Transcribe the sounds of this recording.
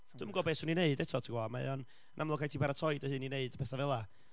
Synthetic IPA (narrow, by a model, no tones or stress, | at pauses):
d̥ɨməŋɡɔːbeːshuːnineɨdɛtʰɔtʰiɡwɔmaɛ̰ɔn | ənʔamlˠɔkʰajtʰiːpaɾatʰɔjdəhɨːnineɨd̥pʰɛθavɛlˠa